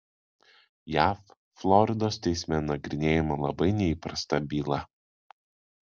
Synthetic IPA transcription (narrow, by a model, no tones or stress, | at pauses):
jæːfː | lˠɔɾʲɪd̪oːst̪ʲɛɪsʲmʲɛnɐɡʲɾʲɪnʲeːjɛmɐlˠɐbɐɪnʲɛiːpɾɐst̪ɐbʲiːlˠɐ